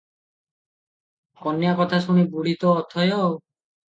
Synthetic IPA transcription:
kɔnjakɔt̪ʰasuɽ̃ibuɽ̤it̪ɔːt̪ʰɔjɔw

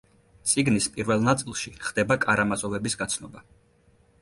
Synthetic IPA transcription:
t̪sʼiɡnispʼiɾvɛlˠnat̪sʼilˠʃiχd̪ɛbakʼaɾamasʼɔvɛbisɡat̪sʰnɔba

